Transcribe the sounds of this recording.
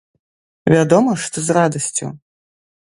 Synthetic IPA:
vʲad̪ɔmɐʂt̪ɔzrad̪ɐsʲt͡sʲṵ

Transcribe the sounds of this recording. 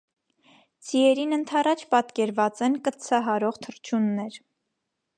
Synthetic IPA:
d͡ziɛɾinənt̪ʰɑrɑt͡ʃʰpɑt̪kɛɾvɑt͡sɛnkət͡sʰɑɦɑɾɔʁt̪ʰəɾt͡ʃʰunːɛɾ

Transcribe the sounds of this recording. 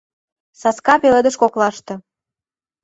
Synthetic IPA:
sɑskɑpeled̪ə̆ʃkoklɑʃt̪ɤ̆

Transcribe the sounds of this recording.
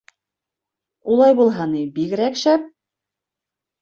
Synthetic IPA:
ulˠɑjbulˠɦɑnibikɘɾækʃæp̚

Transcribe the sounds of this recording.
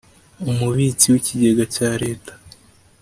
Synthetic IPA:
umuβiːt͡siwiciɟe̞ɡacaːɾe̞ːtḁ

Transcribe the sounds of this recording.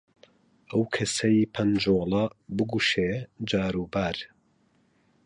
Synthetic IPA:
ʔɐwkʰɐsɐjipʰɐnd͡ʒoːlˠɐbɨɡuːʃeːd͡ʒaːɾuːbaːɾ

